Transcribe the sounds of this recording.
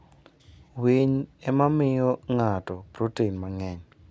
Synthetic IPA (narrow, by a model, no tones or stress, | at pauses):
wiɲɛmamɪjɔŋatɔb̥rutenmaŋɛɲ